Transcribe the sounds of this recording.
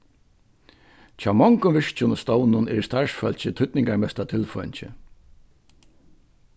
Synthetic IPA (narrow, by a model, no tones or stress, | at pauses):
t͡ʃʰaːwmɔŋkʊʋɪʂt͡ʃʊnst̪ɔwnʊnɛ̰ːɾst̪aɹsfœlt͡ʃɪt̪ʰʊt̪nɪŋkaɹmɛst̪at̪ʰɪlfɔnt͡ɕɪ̰